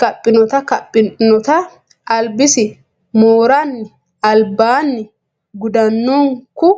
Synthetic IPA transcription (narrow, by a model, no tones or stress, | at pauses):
kɐpʼːɪnɔt̪ɐkɐpʼːɪnnɔt̪ɐ | ʔɐlbɪsɪ | moːɾɐnːɪ | ɐlbaːnːɪ | ɡʊd̪ɐnːɔŋkʊ